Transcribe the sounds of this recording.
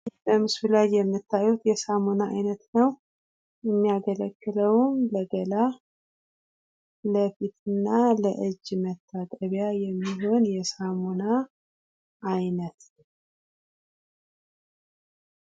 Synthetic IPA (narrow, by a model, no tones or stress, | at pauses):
ləmɨsfɨlajjɛmːɨt̪ʰːajut̪jɛsamonaa̰jnət̪nəw | jɛmːijaɡələkːɨləwmləɡəla | ləfit̪ʰɨnːaləʔɨd͡ʒːmət̪ʰːak̪ʼəβjajɛmːiɦo̞njɛsamona | ʔːjnət̪nəw